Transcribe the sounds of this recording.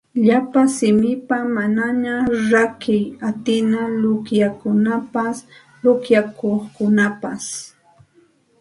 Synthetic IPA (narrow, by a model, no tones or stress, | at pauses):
ʎapasɪmɪpamanaɲaɾakɪjat̪ɪnalʊkjakʊnapas | lʊkjakoχkʊnapas